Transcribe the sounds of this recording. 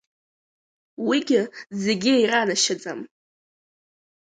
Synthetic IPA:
wiɡʲɪzeɡʲɪejranaʃad͡zʼa̰m

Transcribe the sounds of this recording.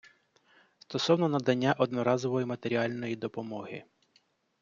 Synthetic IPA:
st̪ɔsɔwnɔnɐd̪ɐnʲːaʔɔd̪nɔɾɑzɔʋɔjɪmɐt̪e̞ɾʲiɑlʲnɔjid̪ɔpɔmɔɦɪ̰

